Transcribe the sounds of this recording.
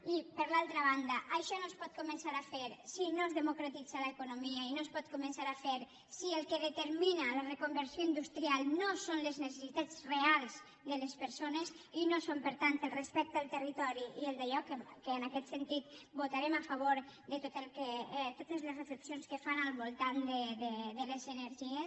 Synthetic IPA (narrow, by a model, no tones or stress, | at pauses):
ipəɾlalˠt̪ɾəβ̞and̪əʔaʃɔnospɔt̪̚kumənsaɾafeɾsinozðəmukɾat̪id͡zaləekunomiəinospɔt̪kumə̃nsaɾafeɾ | sielˠkeðət̪əɾminələrekumbəɾsijoind̪ust̪ɾialˠnosonleznesesit̪ad͡zrealˠz | d̪əlespəɾsonez | inosompəɾt̪ant̪əlˠrespɛk̚t̪alˠt̪ərit̪ɔɾiielˠd̪əʎɔkekəːnakɛt̪sent̪it̪but̪aɾemafaβ̞oɾd̪ət̪ot̪elˠket̪ot̪əzlezreflepsionskəfanalˠβulˠt̪and̪ed̪ed̪elezəneɾʒie